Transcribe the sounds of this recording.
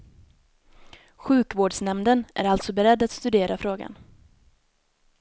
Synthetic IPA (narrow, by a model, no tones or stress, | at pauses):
ɧʉ̟ːkvoːɖʂnɛmd̪ənʔæ̰ɾalt̪sɔbɛɾɛd̪ːat̪st̪ɵd̪eːɾafɾoːɡa̰n